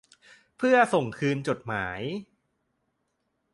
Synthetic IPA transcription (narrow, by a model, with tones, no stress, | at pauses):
pʰɯ˥˩ɐso˨˩ŋkʰɯː˧nt͡ɕo˨˩t̪̚maː˩˦j